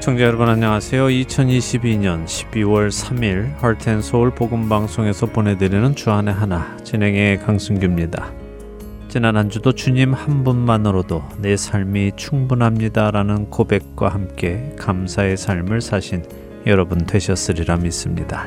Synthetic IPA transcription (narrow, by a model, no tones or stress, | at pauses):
t͡ɕʰʌŋd͡ʑejʌɾʌbʌnaɲːʌŋasʰe̞joit͡ɕʰʌniɕʰibiɲʌnɕʰi̥biwʌɭsʰamiɾhʌɭtʰensʰʌuɭpoɡɯmbaŋsʰoŋe̞sʰʌponɦe̞dɯɾinɯnt͡ɕuɦane̞ɦana | t͡ɕinɦe̞ŋe̞kaŋsʰuŋɡimɲida | t͡ɕinanɦand͡ʑudot͡ɕuɲimhanbunmanɯɾodone̞sʰaɭmit͡ɕʰuŋbunɦamɲidaɾanɯnkobe̞k̚k͈wa̰hamk͈e̞kamsʰae̞sʰaɭmɯɭsʰaɕʰin | jʌɾʌbuntwe̞ɕʰʌs͈ɯɾiɾamis͈ɯmɲḭda